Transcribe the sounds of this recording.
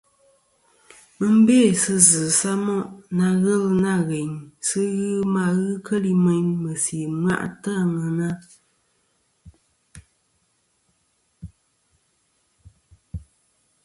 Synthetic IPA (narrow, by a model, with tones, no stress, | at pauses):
mɨ˦m̩˦be˦˨sɨ˦zɨ˨sa˦mɔ˦ʔna˧ɣə˦˨lna˦˨ɣe˨ɲsɨ˦ɣɨ˦ma˦˨ɣɨ˦kə˦li˦mɛ˨ɲmə˨si˨ma̰˦ʔta˦˨ŋɨ˨na˦